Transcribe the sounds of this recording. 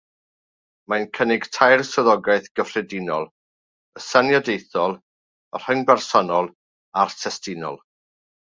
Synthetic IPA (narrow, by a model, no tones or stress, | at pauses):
majnkʰənɪɡ̥tʰajrsɔðɔɡaɨθɡ̥əfrɛdɪnɔlˠ | əsanjadejθɔlˠ | ɔr̥əŋbɛrsɔnɔlˠ | artʰɛstɪnɔ̰lˠ